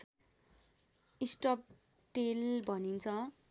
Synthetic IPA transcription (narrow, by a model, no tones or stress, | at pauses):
isʈʌp̚ | ʈelbʱʌnint͡sʰʌ